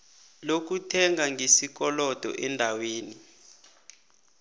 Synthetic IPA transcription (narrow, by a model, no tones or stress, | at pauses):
lok̬utʰɛŋaŋʱesik̬ɔlɔd̥ʱɔ̰ʔɛndʱaweːni